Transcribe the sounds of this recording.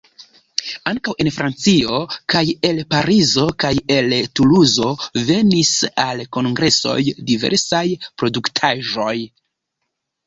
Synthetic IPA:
aŋkawe̞nfɾʔant͡sio̞kaje̞lpaɾizo̞kaje̞ltuluzo̞ve̞nisalko̞ŋɡɾe̞so̞̰jdive̞̰ɾsajpɾo̞duktʰaʒo̞j

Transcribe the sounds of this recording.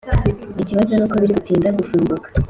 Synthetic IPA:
iciβazo̞nuːkoβiɾikutiːndaɡufuːmɡukḁ

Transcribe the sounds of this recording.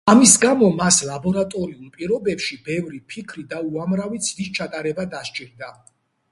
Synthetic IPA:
amisɡamɔmaslˠabɔɾat̪ʼɔɾiulˠpʼiɾɔbɛpʃibɛvɾipʰikʰɾid̪auamɾavid̪zd̪ist͡ʃʰat̪ʼaɾɛbad̪aʃt͡ʃʼiɾd̪a

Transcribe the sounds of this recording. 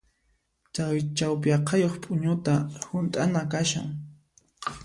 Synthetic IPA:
t͡ʃawt͡ʃawpjɑqʰɑjoχpʼʊɲʊt̪ahʊnt̪ʼanakaʃa̰ŋ

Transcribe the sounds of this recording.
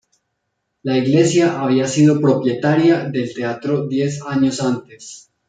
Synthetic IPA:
laiɣle̞sjaʔaβ̞iasiðo̞pɾo̞pje̞t̪aɾjaðe̞lt̪e̞at̪ɾo̞d̪je̞saɲo̞sant̪e̞s

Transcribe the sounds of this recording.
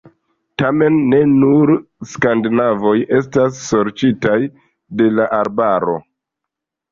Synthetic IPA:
tame̞nːe̞nuɾskandnavo̞jʔe̞stasːo̞ɾt͡ʃitaj | de̞laʔaɾbaɾo̞̰

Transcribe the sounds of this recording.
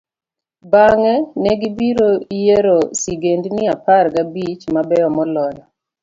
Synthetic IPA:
baŋɛnɛɡibiɾoijeɾosiɡendnɪaparɡabit͡ʃmabɛɔmɔlɔjɔ

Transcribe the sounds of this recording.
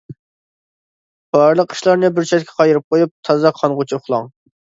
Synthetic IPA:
b̥ɑɾlˠəqʰːi̥ʃlˠɑɾnɨbɪɾt͡ʃʰɛt̪ʲkʲʰɛqʰɑjɪɾɨp̚qʰojup̚t̪ʰɑzɑqʰɑnʁʊt͡ʃʰupχlˠɑŋ

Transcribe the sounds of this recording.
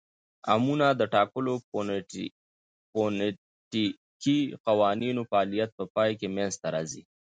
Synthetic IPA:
a̰munad̪əʈɑkəlo | pon | ʈi | kiqawɑninofːlijat̪̚pəpɑjkemenst̪aɾɑzi

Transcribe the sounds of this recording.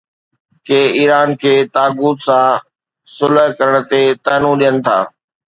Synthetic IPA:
keːiːɾaːnkʰeːt̪aːɡuːt̪sã | sʊləɦkɐɾəɽ̃ə̆t̪et̪ɛːnũɗijənɪ̆t̪ʰa̰ː

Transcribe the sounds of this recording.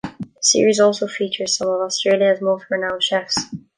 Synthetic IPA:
ðəsɪ̰ɹizɔlˠsoʊfit͡ʃə˞z̥sʌ̃mʌvɔstɹ̥elˠjəzmɔθɹɨnãʊ̃nʃɛfs

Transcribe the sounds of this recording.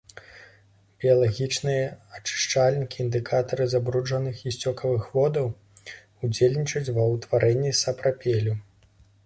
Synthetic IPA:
bʲiɐlˠaɣʲit͡ʂnɨjɐɐt͡ʂɨ̥ʂt͡ʂalʲnʲikʲiːnd̪ɨkʰat̪ɐɾɨzabɾud͡ʐɐnɨxisʲt͡sʲɔkɐvɨxvɔd̪ɐw | ud͡zʲelʲnʲit͡ʂɐt͡sʲvɐwt̪vaɾʔɛnʲːisɐpɾapʲelʲu

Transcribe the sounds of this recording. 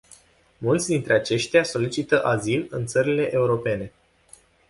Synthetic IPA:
mult̪sʲd̪int̪ɾeat͡ʃe̞ʃt̪easo̞lit͡ʃit̪əʔazilɨnt̪səɾile̞ʔeuɾo̞pe̞ne̞

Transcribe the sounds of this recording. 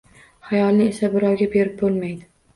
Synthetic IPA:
χajɒlˠnɪe̞sabɪɾɒwɡʲabe̞ɾɪp̚bolˠmajd̪ɪ

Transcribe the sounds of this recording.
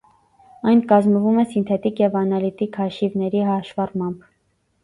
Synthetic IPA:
ɑjnkɑzməvumɛsint̪ʰɛt̪ikjɛvɑnɑlit̪ikhɑʃivnɛɾiɦɑʃvɑrmɑmb

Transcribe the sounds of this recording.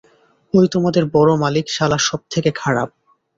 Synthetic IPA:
ojt̪omad̪eɾbɔɾomalikʃalaʃɔb̚t̪ʰekekʰaɽab̚

